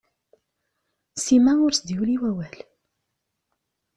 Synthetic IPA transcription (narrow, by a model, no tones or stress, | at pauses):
simæʊɾsd̪iuliwæwæl